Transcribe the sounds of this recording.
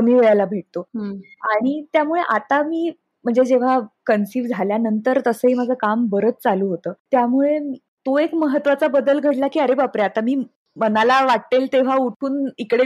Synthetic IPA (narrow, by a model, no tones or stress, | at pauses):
kəmiːʋeɭalabʱeʈ̚t̪oaɽ̃it̪jamuɭeʔat̪amiː | m̤əɳd͡zed͡ʑeʋ̤akənsiːʋd͡zʱaljanənt̪əɾt̪əsəɦiːməd͡zʱəkambəɾət͡st͡saluːɦot̪əːt̪jamuɭemiː | t̪oekməɦət̪ːʋat͡sabəd̪əlɡʱəɽlakiːəɾebapɾeat̪amiː | mənalaʋaʈ̚t̪elt̪eʋ̤auʈʰuːnikɽe